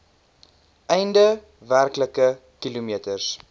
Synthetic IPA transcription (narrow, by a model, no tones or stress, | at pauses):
ʔɛjndə | værkləkə | kilumiətərs